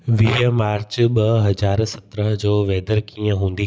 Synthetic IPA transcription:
ʋiːmaːɾt͡ɕɓɐɦɐd͡ʑaːɾsɐt̪ɾəɦd͡ʑoːʋeːd̪əɾkiːə̃ɦũːn̆d̪i

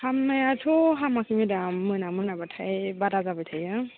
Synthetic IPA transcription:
hamːajatʰoɦamakʰimidamːɯnamɯnabatʰajbadazabɯtʰajɯ

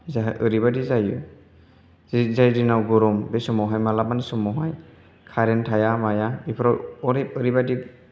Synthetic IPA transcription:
zaɦʔɯɾibadizajɯ | zizajdinawɡɔɾɔmbɛsɔmɔɦajmalamanisɔmɔɦaj | kʰaɾɛntʰajamajaipʰɔɾɔɔɾep̚ɯɾibadi

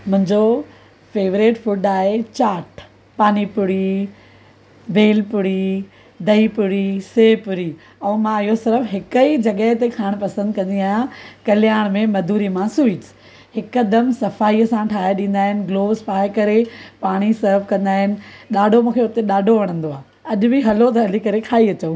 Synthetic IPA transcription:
mʊ̃ɦɪ̃ɲd͡ʑo | feːʋɾeːʈfʊɖaːɦet͡ɕaːʈ | paːnipʊɽi | bʱeːlpʊɽi | d̪ʱɐipʊɽiseːpʊɾi | ɛmãɪɦosɪɾəfɦɪkəid͡ʑɐɠəɦɪt̪ekʰaːɽ̃pɐsə̃nd̪̚kɐ̃nd̪iaːɦjãkɐlɪjaːɽ̃mẽmɐd̪ʱuːɾimãsuiːt͡ɕ | hɪkɐd̪əmsɐfaːiəsãʈʰaːɦeɗĩːn̆d̪aːɦɪnɪ̆ɡloːʋspaːekɐɾepaːɽ̃isɐɾʋkɐ̃nd̪aːɦɪnɪ̆ɗaːɖʱomũːkʰeʊt̪eɗaːɖʱoʋɐɽ̃ə̃nd̪oaː | ɐʄʊbɪɦɐlot̪̬ɐɐlikɐɾekʰaːiɐt͡ɕəũ

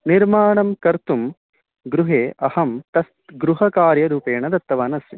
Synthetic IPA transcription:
niɾmaːɳɐmkɐɾt̪um | ɡɾuɦeːʔɐhɐmt̪ɐst̪ɡɾuɦɐkaːɾjɐɾuːpeːɳɐd̪ɐt̪ːɐʋaːnɐsɐ

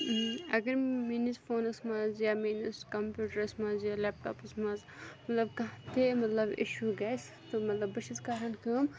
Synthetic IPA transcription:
ɐɡɐɾmiːnisfoːnɐsmazjaːmiːnɐskɐmpjuːʈəɾɐsmãːzjaːleːp̚ʈɔ̰ːpɐsmãːzmɐt̪lɐbkɐ̃ɦt̪ʰemɐt̪lɐbɪ̰ʃuːɡɐːs | t̪omɐt̪lɐbːɐʃizkaːɾɐnkəːm

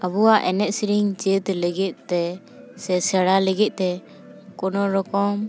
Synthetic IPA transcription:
abuaʔɛnɛʔ̪̚siɾiŋt͡ʃɛt̪ɛlɛɡit̪̚t̪ɛ | sɛsɛɽalɛɡit̪̚ˀt̪ɛ | kɔnɔɾɔkɔm

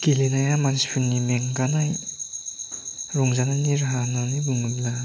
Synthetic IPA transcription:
kilinajamanispʰɯŋnimeŋɡanaj | ɾɔŋzananiɾɦanɔnibuŋɯlla

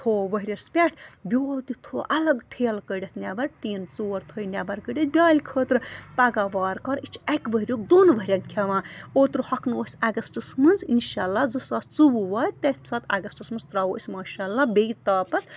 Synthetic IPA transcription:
t̪ʰoːʋəɦiɾʲɐspʲɛʈʰbʲoːlt̪it̪ʰoːʔɐlɐɡʈʰeːlkəɖʲɐt̪ʰnʲaːbɐɾʈ̪iːnt͡soːɾt̪ʰojnʲaːbɐɾkəɖʲet̪̚bʲaːlʲkʰəːt̪ɾɨpaɡaːʋaːɾkɐɾit͡ʃʰɛkʋəɦiɾʲoːk̚d̪oːnʋəɦɾʲɐnʲkʲʰaʋãːoːt̪ɾhɐkʰnusʲaːɡɐsʈɨsmɨnzinʃaːlːaːzɐsaːst͡subuʋaːjt̪esʲpsaːt̪aːɡɐsʈɨsmɨnz̥t̪ɾaːoːʔəsʲmaːʃaːlːaːbejt̪aːpɐs

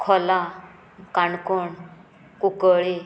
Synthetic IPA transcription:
kʰɔla | kaɳkɔɳ | kukəɭe

